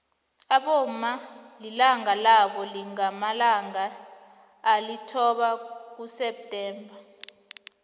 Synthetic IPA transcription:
aɓomalilaŋalaɓɔliŋamalaŋaː | litʰɔɓak̬usɛp̚tʼɛːmbʱa

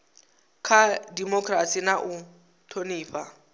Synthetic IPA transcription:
kʰadimɔkʰʼrasinaʔʊ | tʰoniːɸa

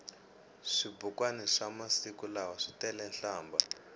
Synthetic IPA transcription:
ʂibukwanɛʂamasikulawaʂitɛlɛnɬaːmba

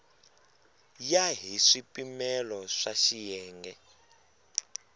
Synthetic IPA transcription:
jaɦiʂipʼimɛlɔʂaʃijɛːŋɡɛ

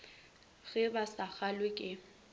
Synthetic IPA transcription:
ɣɛbasak͡xalwɪkʼɪ

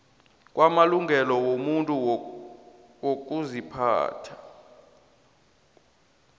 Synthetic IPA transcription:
k̬ʼwamaluŋɡʱɛlɔwomuntʼu | wok̬ʼuzipʰa̰ːtʰḁ

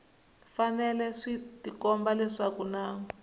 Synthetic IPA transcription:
fanɛlɛʂitikɔmbalɛʂakunaːŋɔ

